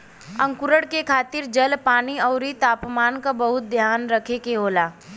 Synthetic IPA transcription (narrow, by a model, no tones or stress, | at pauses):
ɐ̃ŋkʊɾəɽkekʰaːt̪ɪɾd͡ʒɐlpaːniɔːɾit̪aːpmaːnkabɐɦʊt̪̚d̪ʱjaːnɾɐkʰekeɦoːlaː